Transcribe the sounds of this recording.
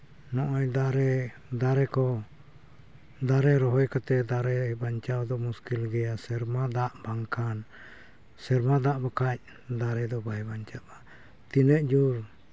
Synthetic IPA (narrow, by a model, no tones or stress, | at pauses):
nɔʔɔjd̪aɾɛ | d̪aɾɛkɔ | d̪aɾɛɾɔɦɔjkat̪ɛd̪aɾɛbaɲt͡ʃawd̪ɔmuskilɡɛjasɛɾmad̪aʔbaŋkʰan | sɛɾmad̪aʔbakac̚ | d̪aɾɛd̪ɔbajbaɲt͡ʃaba | t̪inɛʔd͡ʒuɾ